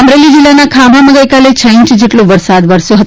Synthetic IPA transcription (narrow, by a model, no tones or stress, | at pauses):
əmɾelid͡ʒilːanakʰabʱaməɡəjkalet͡ɕʰəĩɲt͡ʃd͡ʒeʈlõʋəɾsad̪ʋəɾsjoɦət̪